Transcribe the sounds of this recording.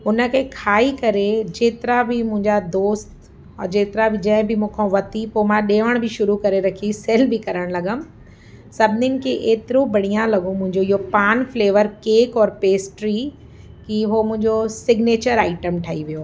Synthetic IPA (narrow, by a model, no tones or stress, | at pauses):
ʊnə̆kʰeːkʰaːikɐɾed͡ʑeːt̪ɪɾabɪmʊ̃ɦɪ̃ɲd͡ʑad̪oːst̪ | d͡ʑeːt̪ɪɾabɪd͡ʑɐ̃ɦɪ̃bɪmũːkʰãʋɐt̪ipoːmãɗeːʋəɽ̃bɪʃʊɾukɐɾeɾɐkʰisɛːlbɪkɐɾəɽ̃lɐɡəmɪ̆ | sɐbʱɪnɪnɪ̆kʰeʔeːt̪ɪɾobɐɽ̤ijãlɐɡõmʊ̃ɦɪ̃ɲd͡ʑoiɦopaːnfleːʋəɾkeːkɔːɾpeːsʈɾi | kiɦomʊ̃ɦɪ̃ɲd͡ʑosɪɡneːt͡ɕəɾaːɪʈəmʈʰaːɦiʋijoː